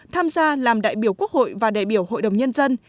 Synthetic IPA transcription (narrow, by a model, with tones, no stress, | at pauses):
t̪ʰaː˧mzaː˧laː˨˩mɗa̰ː˧˨jɓi˧˩əwku˦˥ək̚ho̰˧˨jvaː˨˩ɗa̰ː˧˨jɓi˧˩əwho̰˧˨jɗə˨˩wŋ͡mɲə˧nzə˧n